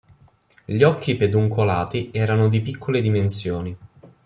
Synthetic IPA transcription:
ʎɔkːiped̪uŋkolaːt̪iɛːɾanod̪ipikʰːoled̪imensjoːni

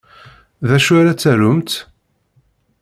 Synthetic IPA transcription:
ðæʃaɾat͡sːæɾʊmt̪

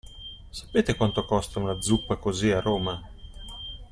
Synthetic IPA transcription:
sḁpːeːt̪ekwant̪okɔst̪aunad̪zːupːakoziarːoːma

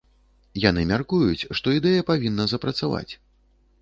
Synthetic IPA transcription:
janɨmʲarkujut͡sʲʂt̪ɔid̪ɛjɐpavʲinːɐzɐpɾɐt̪sava̰t͡sʲ

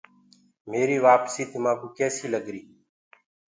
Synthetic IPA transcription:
meːɾiːʋaːpsiːt̪ɪmãːkuːkɛːsiːləɡɾiː

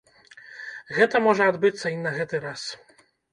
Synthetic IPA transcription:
ɣɛt̪amɔʐɛɔd̪bɘt̪sainːaɣɛt̪ɛɾas

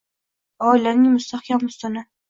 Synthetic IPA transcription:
ɒɪlanɪŋmʊst̪ʰaχkʲammʊst̪ɪnɪ

